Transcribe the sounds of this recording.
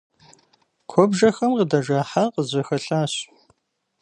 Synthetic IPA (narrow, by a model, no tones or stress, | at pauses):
kʷʰɔbʒɐxɐmqədɐʒaːħaqəzɐxɐɬaːɕ